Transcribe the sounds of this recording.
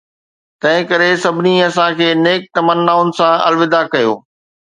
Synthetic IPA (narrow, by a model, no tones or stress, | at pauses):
t̪ɐ̃ɦɪ̃kɐɾesɐbʱɪniɐsãkʰeːneːk̚t̪ɐmənːaːʊnɪ̆sãɐ̰lʋɪd̪akɐjo̰ː